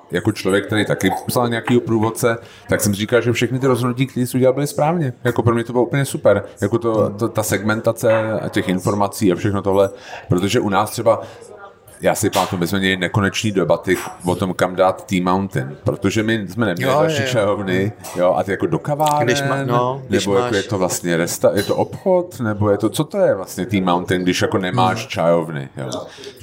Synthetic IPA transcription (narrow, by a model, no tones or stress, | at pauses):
jako̞t͡ʃlovjɛkt̪ɛɾejt̪akɪpsalɲɛakiːɦo̞pɾuːvo̞t̪̚t͡sɛ | t̪aksɛmr̝iːkalʒɛfʃɛxnɪt̪ɪɾozɦodnuciːk̚t̪ɛɾiːsɛuɟɛlalbɪlɪspɾaːvɲɛjakopɾomɲɛt̪obɪloʔupl̩ɲɛsupɛɾjako̞t̪ot̪ot̪asɛɡmɛnt̪at͡sɛa̰cɛxɪnfo̞ɾmat͡siːafʃɛxno̞t̪o̞ɦlɛpɾot̪o̞ʒɛʔunaːst̪r̥ɛba | jaːsɪpamat̪umɪsmɛmɲɛlɪnɛkonɛt͡ʃniːdɛbat̪ɪvo̞t̪o̞mkamdaːt̪ːiːmawnt̪ɪ̰npɾot̪o̞ʒɛmɪsmɛnɛmɲɛlɪdalʃit͡ʃajovnɪjoʔa̰t̪ɪjako̞do̞kavaːɾɛnːɛbbojakojɛt̪ovlast̪ɲɛɾɛst̪ajɛt̪oʔopxot̪nɛbo̞jɛt̪o̞t͡so̞t̪o̞jɛvlast̪ɲɛt̪iːmawnt̪ɪnɡdɪʃjako̞nɛmaːʃt͡ʃajovnɪ̰jo̰ː